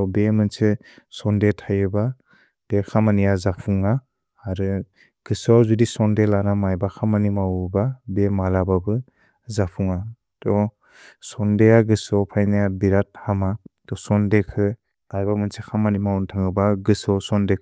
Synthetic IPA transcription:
ɔbemɯnsɯ | sɔndetʰajɯba | b̥ekʰamanijazapʰuŋaː | ɾɯ | ɡ̥ɯsɔzudisɔndelanamajbakʰamanimawbabemalababɯ | zapʰuŋa | tɔ | sɔndeaɡɯsɔpʰajnajabiɾat̚hamatɔsɔndekʰɯ | ajbamɯnsekʰamanimawntʰaŋɯbaɡɯsɔsɔndekʰ

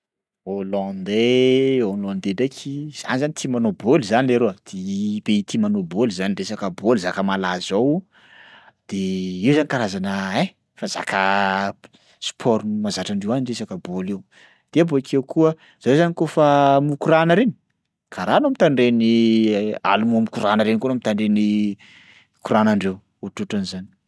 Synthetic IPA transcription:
olɔ̃nd̪eolɔ̃nd̪edekʰiz̥a̰nizanit̪ʰimanobolizanileɾoəd̪̥ibeit̪imanobolzaniɳɖ͡ʐesakəbolizakəmalaz̥ow | d̪̥eiwzanikaɾazanəe | faza̰kʰə | spʰɔɾnmazaʈ͡ʂaɳɖ͡ʐewaniɳresakəbolew | d̪̥eabokʰewkʰuə | z̥aezanikofamukuɾanəɾeni̥ | kʰaɾanoamit̪aɳɖ͡ʐeni | a̰lumuamikuɾanəɾenkonamit̪aɳɖ͡ʐeni | kuɾanaɳɖ͡ʐew | oʈ͡ʂuʈ͡ʂanizani̥

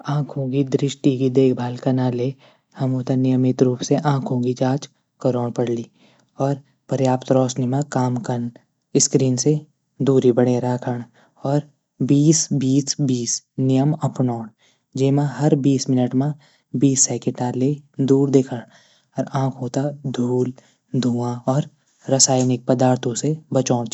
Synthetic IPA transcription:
ãːkʰõɡid̪ɾɪʃʈikid̪eːkʰbʱaːlkɐnaːle | hɐmɦoːt̪anɪjəmɪt̪ɾuːpseʔãːkʰõːɡid͡ʒaːt͡ʃ | kəɾoːɽpɐɽliː | ɔːɾ | pəɾjaːpt̪ɾɔːsnimãkaːmkən | ɪskɾiːnse | d̪uːɾibəɽeɾaːkʰəɽ̃ | ɔːɾ | biːsbiːsbiːsnɪjəmɐpnoːɳ | d͡ʒeːmãɦɐɾbiːsmɪnəʈmã | biːsːɛːkɪʈaːɾled̪uːɾd̪eːkʰəɽ̃ | ɔːɾãːkʰõːt̪ad̪ʱuːl | d̪ʱuːãɔːɾ | ɾɐsaːjnɪk̚pəd̪aːɾt̪ʰõsebɐt͡ʃɔːɽ

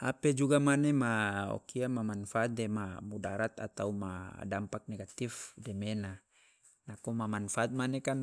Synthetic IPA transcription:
aped͡ʒuɡamanemao̰kiamamanfat̪̚dɛmamudaɾat̪a̰t̪auma̰dampak̚neɡat̪ifdɛmena | nakomamanfaːt̪̚manekan

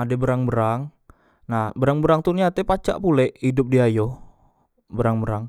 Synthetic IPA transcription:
adɛbəɾaŋbəɾaŋ | nahbəɾaŋbəɾaŋt̪unat̪ɛpat͡ʃa̰ʔpulɛʔhidʊp̚diajo | bəɾaŋbəɾaŋ

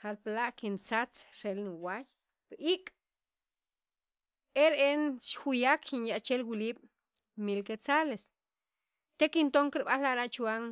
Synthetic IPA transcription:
haɾplaʔkint͡sat͡sɾelniwaj | pʔikʼ | eɾeʔenʃxujakxinjaʔt͡ʃelwiliːɓ̥ | milket͡sales | t̪ekint̪oŋkiɾɓallaʔɾaʔt͡ʃuaːŋ

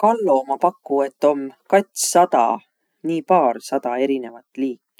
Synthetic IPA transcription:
kɑlːomɑpɑkːˑue̞t̪ːˑo̞mkɑt̪ʲssɑd̪̥ɑ̰ | niːpɑːrsɑd̪̥ɑe̞ɾine̞vɑt̪ːˑliːkːˑi̥

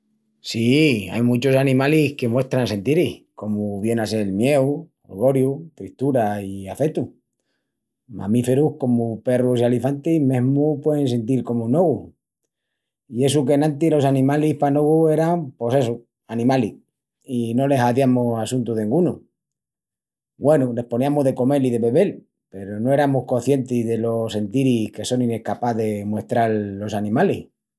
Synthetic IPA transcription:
sia̰jmut͡ʃo̞sanĩmalihke̞mwe̞ht̪ɾanse̞nt̪iɾihko̞muβje̞nase̞lmje̞wo̰ɾɣo̞ɾjut̪ɾiht̪uɾaiafe̞t̪u | ma̰mife̞ɾuhko̞mupe̞rusialifant̪imeɦmupwe̞ðensent̪̬iɾko̞muno̞ɣu | ie̞sukenãnt̪ilo̞sanĩmalihpanoɣue̞ɾampo̞se̞su | anĩmali | ino̞le̞saðjamosasunt̪uðeĩŋɡunu | ɡwe̞nule̞hponiamoɦðe̞ko̞me̞liðe̞βe̞βe̞l | pe̞ɾono̞e̞ɾamohko̞θje̞nt̪izðe̞lo̞se̞nt̪iɾihke̞so̞nine̞hkapaðe̞mwe̞ht̪ɾalːo̞sanĩmalih

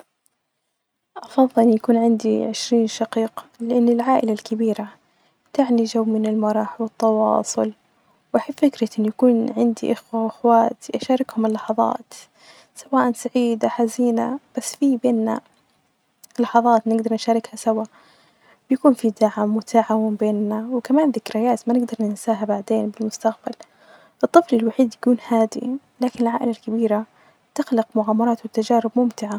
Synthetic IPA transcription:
ʔɑfɑðˤːɨlʔɪnjakuːnʕɪnd̪iʕɪʃɾiːnʃɑqiːqlɪʔɪnːɪlʕaːʔɪlalkɪbiːɾa | t̪aʕniʒawːmɪnɪlmɑɾˤɑːħwɨt̪ˤːɑwɑ̰ːsˤʊl | waħɪbfɪkɾɑʔɪnːjakuːnʕɪnd̪ḭʔaxwaʔɪxwaːt̪ʔaʃaːɾˤɪkhʊmɪlːɑħɑðˤɑ̰ːt̪ | sawaːʔansaʕiːd̪aħaziːnab̥asːfibeːnːa̰ | lɑħɑðˤɑːt̪nɪɡd̪ɑɾˤnʃaːɾˤɪkhasawa | bjakuːnfid̪aʕamːʊt̪ʰaʕawɪmbeːnːawɪkamaːnðɪkɾajaːt̪manɪɡd̪ɑɾˤnɪnsaːɦabaʕd̪eːnbɪlmʊst̪aqbal | ʔɨt̪ˤːɨflɪlwaħiːd̪jakuːnhaːd̪ḭ | laːkɪnɪlʕa̰ːʔɪlalkabiːɾa | t̪ɪɣlɪqmʊʕaːmɑɾˤɑːt̪wɪt̪ːad͡ʒaːɾɪbmʊmt̪ɪʕa

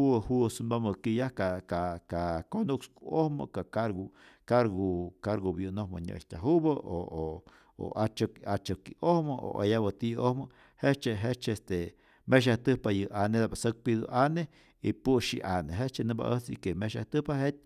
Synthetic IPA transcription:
uhusunaməkijahkakakakonukskuohmɨ̰kakaɾɡukaɾɡukaɾɡobjunohma̰ɲə̰ʔʃt̪ʲaɦubəʔoo | o̰at͡ʃkat͡ʃəkiʔohməʔo̰ʔa̰jabat̪iohmɨ | het͡ʃeɦet͡ʃest̪e | meʃ̬aht̪ɨpajɨʔaned̪abasək̚pid̪ṵʔane | ipuʃḭʔaneɦet͡ʃenɨba̰ʔət͡sikemeʃa̰ht̪ɨhpahet̪̚ʲ

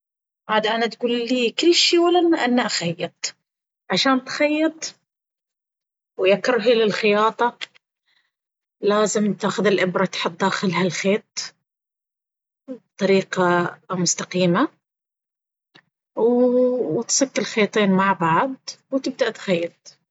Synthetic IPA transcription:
ʕaːd̪aʔanat̪ɡuːlliːkɪlːʃiːwalʔanːaʔanːaʔaxajːɨt̪̚ˤ | ʕaʃaːnt̪xajːɨt̪ˤ | wjakːɾˤɦilɪlxɪjɑːt̪ˤɑ | laːzɪmt̪aːxʊðɪlʔɪbɾˤɑt̪ħʊt̪̚ˤd̪aːxɪlhalxeːt̪̚ˤ | b̚t̪ˤɑɾiːqɑmʊst̪aqiːma | w | t̪sˤɪkːɪlxeːt̪ˤiːnmaʕbaʕd̪̚wt̪ɪb̚d̪aʔt̪xajːɑt̪̚ˤ

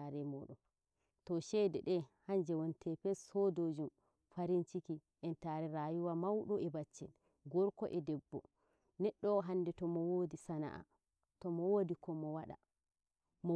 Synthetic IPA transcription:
aɾɛmɔɗɔn | tɔʃɛdɛɗɛhaɲd͡ʒɛwɔntʰɛpɛsɔdod͡ʒum | faɾint͡ʃikiʔɛntaɾɛɾaːjuwamawɗɔɛbat͡ʃːɛn | ɡɔɾkɔ̰ʔɛdɛbːɔ | nɛɗːɔɦandɛtɔmɔwodisana̰ʔa̰ | tɔmɔwodikɔmɔwaɗa̰ | mɔ

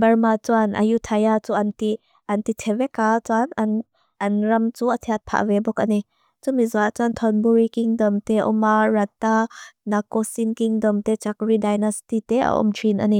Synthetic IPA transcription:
bɐrmat͡suanʔa̰jut̪ʰajat͡suʔanti | ant̪it̪ʰɛvɛkat͡sanan | ʔɐnɾɐmt͡suat̪ʰiat̪̚pʰa̰ʔvɛbɔkʔani | t͡sumizaʔt͡sant̪ʰɔnbuɾikiŋdɔmt̪ɛʔɔ̰marat̪ːanakɔsinkiŋdɔmt̪ɛt͡sakridajnastit̪ɛa̰ʔɔ̰mtʰinʔa̰ni

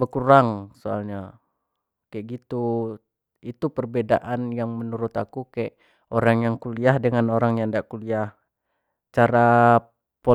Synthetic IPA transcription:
bəkuɾaŋsoa̰lɲa | kaɛʔɡit̪u | it̪upərbedaʔanjaŋmənuɾʊt̪akukajʔ | oɾaŋjaŋkuliahdəŋanoɾaŋjaŋdaʔkuliah | t͡ʃaɾa | po

